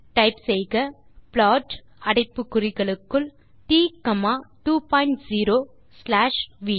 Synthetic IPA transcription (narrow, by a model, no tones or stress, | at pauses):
ʈɐɪpsɛjɣɐ | pɭɔːʈ | ɐɽɐɪpːɯkːʊrɪɣɐɭɯkːɯɭ | t̪iːkɐmaːʈuːpaːjɪɳʈsiːɾoː | slaːʂʋiː